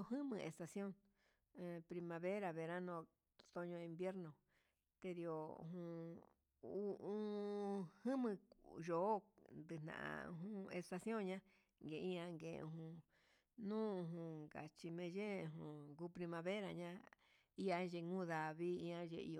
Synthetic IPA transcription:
o˧ɦɨ̃˦mɨ̃˧˨ʔe˨st̪a˧sjõ˦n˧ | pɾi˧mã˧βe˦ɾa˧βe˨ɾa˦nõ˧ | t̪o˧ɲõ˧ĩ˧mbje˦ɾnõ˨ | t̪e˧ɾi˧o˨˧ɦũ˧ | u˧ʔũ˦ | hɨ̃˦mɨ̃˧ʒo˨˦nd̪ɨ˧n̥ã̰˨ʔã̰˧ɦũ˦e˧st̪a˧sjõ˦˨ɲã˦ | ŋɡe˨˧ĩ˦ã˧ŋɡḛ˨˧ṵ̃˧ɦũ˧ | nũː˦˧ɦũ˧ŋɡa̰˨t͡ʃi˧mẽ˧ʒẽ˦˨ɦũ˨ɡu˧˦pɾi˧mã˧βe˦ɾa˧ɲã˦ | i˦a˧ʒe˧ŋũ˦ða˨βi˦ĩ˧ã˧ʒḛ˧ḭ˧o˧

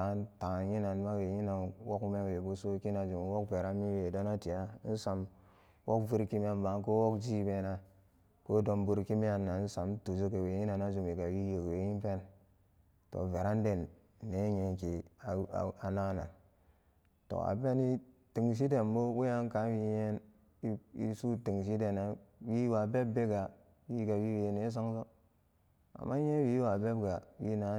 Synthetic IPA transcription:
ta˨˦nta˨ji˦na˨nma˦we˨ji˦na˨nwo˦ku˦me˦we˨bu˦so˦ki˦na˨d͡ʒu˨m˨wo˦k̚ve˨ɾa˦mi˦we˨do˦na˦ti˨ja˦n̩˦sa˨m | wʔo˦kvi˦ɾki˦m˦e˦nba˨ŋko˦wo˦kd͡ʒi˦be˨na˦ | ko˦do˦mbu˦ɾki˦mi˦a˨nːa˨˦n̩˦sa˨mtu˨d͡ʒu˦ke˨we˨ji˦na˨na˦d͡ʒu˨mi˨ka˨wi˦je˨kwe˨ji˦m˦pe˦n | to̰˨ve˨ɾa˦n˦de˨nː˨ | e˦ɲe˨ki˨a˨a˨na˦na̰˨n | to̰˨a̰˨pe˦ni˦ | ti˨ŋs̬i˦de˨nbo˦we˦a˦ŋ˦ka˨˦wi˦je˦n˦ | i˦su˦ti˨ŋ˨s̬i˦de˨na˨wi˦wa˨be˦bːe˦ɡa˨ | wi˦ɡa˨wi˦we˨ne˨˦s̬o˦ŋso˦ | a̰˨mːa˦e˦wi˦wa˨be˦bɡa˨wi˦na˨˦

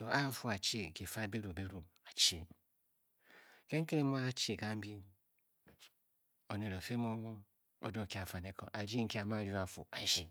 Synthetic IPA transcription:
o˨a˦fu˦a˨t͡ʃe˦˨ke˨fa˦˨be˦ɾu˨be˦ɾu˨ | a˨t͡ʃe˦˨ | ke˦ŋ̩˦ke˦ɾe˦mu˦a˦t͡ʃe˨ka˦m̩˦bi˦ | o˨ne˨ɾo˨fe˦m˦o˦wo˦ | o̰˦do˦˨ki˦˨a˨fa˨ne˨ko̰˨ʔa˨d͡ʒi˦ŋ̩˦ke˦a˨ma˦˨˦d͡ʒu˦a˨fṵ˨a˨d͡ʒi˦

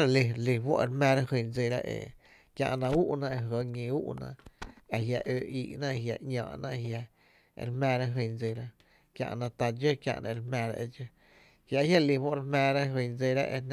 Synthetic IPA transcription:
ɾa˨li˧li˧wo̰˦ʔɾmɛ̃ː˧ɾa˦hi˧nd͡zi˧ɾa̰˦ʔḛ˨ | kjã̰˧ʔnã˧u˦ʔnã˧ʔe˧ɦə˨˧˦ɲĩ˧u˦ʔnã̰˧˨a˨ɦja˧ʔøː˧ʔi˧˨ʔnã˦˧hja˧˨ɲã̰ː˧˨ʔnã̰˦ʔɦja̰˧ | ɾmɛ̃ː˧ɾa˦ɦə˧nd͡zi˧ɾa˦ | kjã̰˧ʔnã˧t̪a˧d͡ʒə˦kjã̰˧ʔnʔã̰˧ɾmɛ̃˧ɾa̰˧ʔe˧d͡ʒə˦ | hja˧˨˦hja˦li˧wo˦ʔɾhmɛ̃ː˧ɾa˦ɦə˧nd͡zi˧ɾa˦ʔḛ˧n

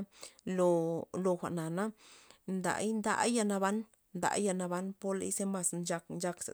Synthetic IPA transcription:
lo˧lo˧xʷa̰˨ʔna˨na˦nd̪a̰˨˦jnd̪a̰˧˦ja˧na˧βa˦n | nd̪a̰˧˦ja˧na˧ba˧˦npo˦lḛ˧jse˦ma˨snt͡ʃa˧knt͡ʃa˧ksa˨

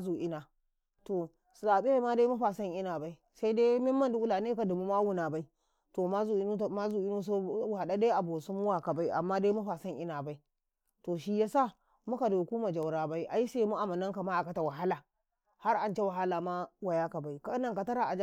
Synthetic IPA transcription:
zu˨ʔi˦na˨ | to˨ | szaː˨ɓi˦a˨˦ma˦de˦mu˦ɸa˨sɐ˦ŋʔi˦na˨ba˦i˦ | sa˦i˦de˦mi˦mːɐ˦ndu˦wu˦la˨ne˦ka˨du˨mu˦ma˦wu˦na˨ba˦i˦ | to˨ma˦zu˨i˦n˦˨ma˦zu˨i˦nu˦s̬o˦wha˨ɗa˦de˦ʔa˨bo˨su˦mu˦wa˨ka˨ba˦i˦ʔa̰˨mːa˦de˦mu˦ɸa˨sa˦ŋʔi˦na˨ba˦i˦ | to˨ʃi˦ja˦sa˦˨ | mu˦ka˨du˨ku˦ma˨d͡ʒa˨wɾaː˨ba˦i˦ʔa˨ji˦se˦mu˦ʔa˨ma˨nɐ˦ŋka˨ma˦a˨ka˨ta˨wa˨ɦa˦la˨ | ha˦ɾʔa˨nt͡ʃe˦wa˨ɦa˦la˨ma˦wa˨ja˦ka˨ba˦i˦ka˦na˨ka˨ta˦ɾa˨ʔa˨d͡ʒ

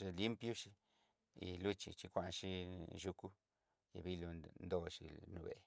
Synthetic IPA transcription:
ʃi˧li˦mpju˦ʃi˧ | ḭ˨lu˦t͡ʃḭ˨t͡ʃi˧kʷa˧nʃi˦ʃu˧ku˦ | ja̰˨bi˧˦lu˧nd̪o˧ʃḭ˧nu˧bḛ˨

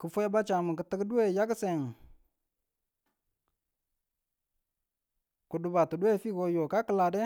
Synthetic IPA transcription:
kə˨fu˦ja˦ba˦t͡ʃa˨mə˨kə˨˦tə˦ɡdu˦e˦˨ja˦kse˨ŋ | ku˨du˨ba˨tu˨du˦e˦˨fi˦ko˦jo˨ka˦kə˦la˨dɛ˦

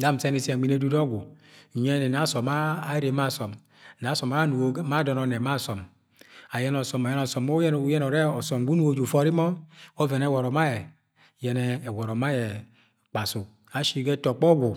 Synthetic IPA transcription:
da˦˨m̩˨se˦ni˦˨se˨ɡ͡bi˨ne˦du˦dɔ˦ɡu˨ | ɲɛ˦nɛ˨na˨˦sɔ˨maː˦ɾe˨ma˦˨sɔ˨m | na˨˦sɔ˨ma˨˦a˦nu˨o˨˦ma˦dɔ˨nɔ˨nɛ˨ma˦˨sɔ˨m | a˨jɛ˦n˦ɔ˨sɔ˨ma˨jɛ˦n˦ɔ˨sɔ˨mo˦jɛ˦no˨˦jɛ˦nɔ˨ɾɛ˦ɔ˨sɔ˨m˨ɡu˦nu˦wo˦d͡ʒu˨fɔ˦ɾi˦mɔ˦o˦vɛ˨nɛ˦˨wɔ˨ɾɔ˨ma˦jɛ˨ | jɛ˨nɛː˨˦˨wɔ˨ɾɔ˨ma˦jɛ˨ | k͡pa˨su˨ | a˨ʃi˦ɡɛ˦tɔ˨k͡pɔ˦ɡu˨

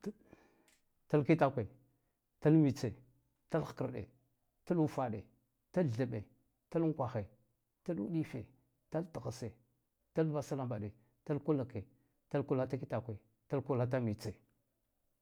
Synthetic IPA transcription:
ta˦lki˦ta˦kʷe˨ | ta˦lmi˨t͡se˨ | ta˦l̥kə˨ɾɗḛ˨ | ta˦lu˦fa˨ɗe˨ | ta˦˨ɮə˨ɓe˨ | ta˦lŋ˦kʷa˨xe˨ | ta˦lṵ˦ɗi˦fe˨ | ta˦ltə˨ɣa˨se˨ | ta˦lva˦sa˦la˦˨mba˨ɗe˨ | ta˦lku˦la˨ke˨ | ta˦lku˦la˦ta˦ki˦ta˨kʷe˨ | ta˦lku˦la˦t̬a˦mi˨t͡se˨

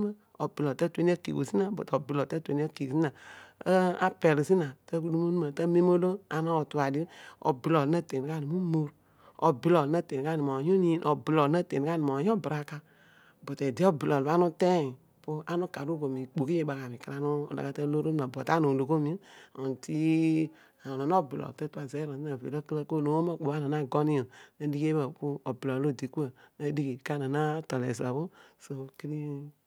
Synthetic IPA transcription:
a˦ | o˨bi˨lɔ˨ta˦tu˦e˦ni˦a˦kḭ˨ko̰˨si˦na˦bo̰˨to˨bi˨lɔ˨ta˦tʷe˦n˦a˦ki˨si˦na˨˦ | a˦pe˨li˨zi˦na˨tə˦ku˦lu˦mu˦nu˦ma˨ta˦me˦mo˦lo˦a˨no˦˨tu˨˦a˨di˦o̰˨bi˨lo˨˦na˦˨te˨ni˨ka˦˨ni˨mu˦mo˦ɾ | o˨bi˦lo˨na˦˨te˨n˨ka˦˨ni˨mo˨ju˦ni˦nʔo˨bi˨lɔ˨˦a˦tḛ˨n˨a˦ni˨mo˨jo˦bɾa˦ka˦ | bo˨te˨di˦ɔ˦bi˨lɔ˨˦a˦nu˦te˦i˨ | pu˦ʔa˦nu˦ka˨ɾu˦bo˨mi˨k͡po˨ki˦je˦ɓa˨ka˨mi˨kə˦ɾa˦nṵ˦˨la̰˨a˦tə˦lo˦ɾo˦n˦ma˨bɔ˨ta˦nu˨lo˨ko˦mi˨˦˨n˨ti˦ | a˨na˨n˦o˦bi˨lɔ̰˨tə˦tu˦a˨zɛ˦ɾo˨˦na˨vḛ˨lo˦kə˦lə˦ko˦˨no˨˦o˦ma˦˨k͡po˨a˦na˨na˦ɡɔ˦ni˦o˨nə˨di˦ke˦bə˨pu˦o˨bi˨lɔ˨lo˦˨di˨ku˦ə˨nə˦di˦ki˨ka˦˨na˨na˦tɔ˨lɛ̰˨za˨bu˦so˨ki˦ɾi˦

